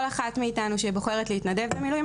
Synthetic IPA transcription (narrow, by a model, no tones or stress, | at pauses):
laχatmeitanuʃeboχeʁetleitnade̞vbemilujm